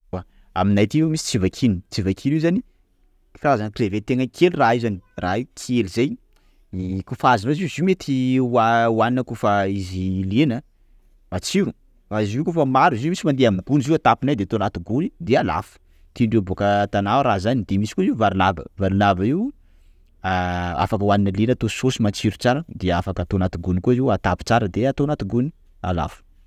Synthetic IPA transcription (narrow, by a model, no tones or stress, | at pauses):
wa | aminajt̪imisi̥t͡sivakʰinit͡sivakʰiniwzani | u̥fazankrevet̪eŋəkʰeliraizaniraikʰelizej | ikufazinoziuzimet̪ʰiwawaninəkufaizilenə | vat͡siɾu | faiziwkufəmaɾizimisimand̪eamɡuniziuwat̪apinajd̪eat̪oanat̪iɡunid̪eala̰fu̥ | t̪iɳɖ͡ʐebokət̪anawɾazanid̪emisi̥kuziuvaɾinabə̰vaɾnabaiw | aa̰fakəwaninəlenat̪ososimant͡ʃiɾut͡saɾəd̪eafakat̪oanat̪uɡunikuziuat̪api̥t͡saɾəd̪eat̪oanat̪uɡuni̥ | a̰la̰fu̥